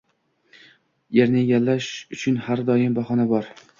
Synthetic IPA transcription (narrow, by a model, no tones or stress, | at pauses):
jeɾnɪeɡʲalːaʃʊt͡ʃʰʊnhaɾd̪ɒjɪmbaχɒnabɒɾ